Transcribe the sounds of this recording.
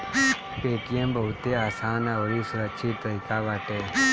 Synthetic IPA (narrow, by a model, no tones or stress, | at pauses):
peːʈijembʱəwt̪eaːsaːnəʋɾisʊɾəkʃʰit̪ːəikaːʋaːʈe